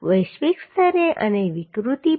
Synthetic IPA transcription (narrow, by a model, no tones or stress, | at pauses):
ʋəjʃʋikst̪əɾeʔə̰neʋikɾut̪i